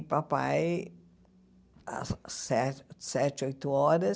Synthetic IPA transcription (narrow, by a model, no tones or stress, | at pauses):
papa̰j | a̰sɛsɛt͡ʃojt̪ʊɔɾɐ